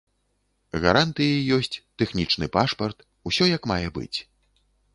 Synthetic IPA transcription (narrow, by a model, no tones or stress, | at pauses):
ɣa̰ɾant̪ɨjɐjjɔsʲt͡sʲt̪ɛxnʲit͡ʂnɨpaʂpɐrt̪ | usʲɔjɐkmajɛbɨ̰t͡sʲ